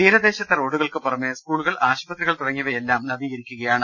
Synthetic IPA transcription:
iːɾɐd̪e̞ːɕɐt̪ːero̞ːɽuɣɐɭkɨpːɐrɐmːeskuːɭuɣɐɭʔaːɕubɐt̪riɣɐɭt̪uɽɐŋːiʋɐjelːaːmnɐd̪ijɐɾikʲːuɣɐjaːɳɨ

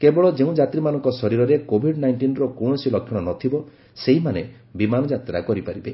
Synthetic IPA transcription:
kebɔɭɔd͡ʒeũd͡ʒat̪ɾimanɔ̃ŋkɔsɔɾiɾɔɾekobʱiɖnajɳʈinɾɔkoɳɔsilɔkʰːjɔɽ̃ɔnɔt̪ʰibɔ | seɦimane | bimanɔd͡ʒat̪ɾa̰kɔɾipaɾibe

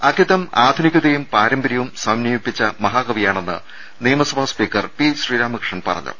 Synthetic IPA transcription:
ɐk̪ʰjit̪ɐmaːd̪ʱunikʲːɐðejumpaːɾɐmbɐɾjɐʋumsɐmnɐmipːit͡ɕːɐmɐɦaːɡɐʋijaːɳe̞nːɨ̰ | nijɐmɐsɐbʱaːspiːkːɐrpit͡ɕɕriːɾaːmɐkrʂɐnpɐ̰rɐ̰ɲːṵ

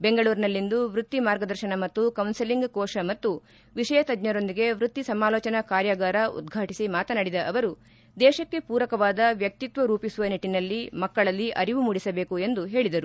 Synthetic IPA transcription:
be̞ŋɡɐɭuːɾnɐlːind̪uʋɾut̪ːimaːɾɡɐd̪ɐɾʃɐɳɐmɐt̪ːukɐwnsiliŋɡkoːʂɐmɐt̪ːu | ʋiʃɐjɐt̪ɐd̪ɲɐɾond̪iɡe̞ʋɾut̪ːisɐmaːlɔːt͡ʃɐnɐkaːɾjɐɡaːɾɐṵd̪̚ɡʱaːʈisimaːt̪ɐnɐɽid̪ɐʔɐʋɐɾu | d̪ɛːʃɐkːe̞puːɾɐkɐʋaːd̪ɐʋjɐk̚t̪it̪ʋɐɾuːpisuʋɐniʈːinɐlːimɐkːɐɭɐlːiʔɐɾiʋumuɽisɐbe̞ːkue̞nd̪uɦe̞ːɭid̪ɐɾu

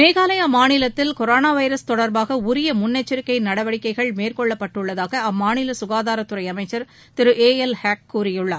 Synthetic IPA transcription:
meːɣaːlɐjaːmaːnɪlɐt̪ːɪlkɔɾoːnaːʋɐɪɾɐst̪ɔɽɐɾbaːɣɐʊɾɪjɐmʊnːɐt͡ʃːɪɾɯkːɐɪnɐɽɐʋɐɽɪkːɐɪɣɐɭmeːrkɔɭːɐpːɐʈːɯɭːɐðaːɣɐɐmːaːnɪlɐsʊɣaːðaːɾɐt̪ːɯɾɐɪɐmɐɪt͡ʃːɐɾ | t̪ɪɾɯʔeːɛlhaːk̚kːuːɾɪjɯɭːɐ

